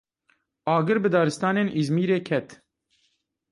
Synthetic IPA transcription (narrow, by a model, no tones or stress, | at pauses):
ɑːɡɨɾbɨd̪ɑːɾɨst̪ɑːneːnʔizmiːɾeːkʰɛt̪